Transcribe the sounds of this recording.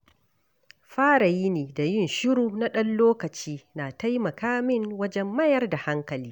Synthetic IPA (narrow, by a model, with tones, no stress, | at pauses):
ɸaː˦ɽa˨jiː˦neː˨da˨jɪ˦˨nʃʊ˦ɾuː˨na˦ɗɐ˦nloː˦kɐ˨t͡ʃiː˦naː˨ta˦jmɐ˨kaː˦mɪ˦ŋwɐ˦d͡ʒɛ˦mːɐ˦jɐ˦rda˨ha˦ŋkɐ˨liː˦